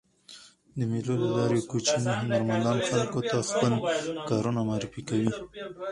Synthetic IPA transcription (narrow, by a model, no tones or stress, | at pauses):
d̪əmelolalɑɾekot͡ʃineɦanaɾmand̪ɑnxalkot̪axpəlkɑɾunamɑːɾifikawi